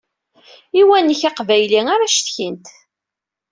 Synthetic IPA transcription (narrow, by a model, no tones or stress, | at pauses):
iwænːəçaqvæjliŋaɾaʃt̪çint̪